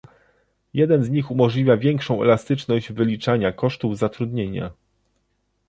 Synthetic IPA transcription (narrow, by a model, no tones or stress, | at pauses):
jɛd̪ɛnzɲixumɔʐlʲivʲjavʲjɛŋkʂɔ̃w̃ɛ̰last̪ɘt͡ʂnɔʑd͡ʑvɘlʲit͡ʂaɲakɔʂt̪uvzat̪ɾud̪ɲeɲa̰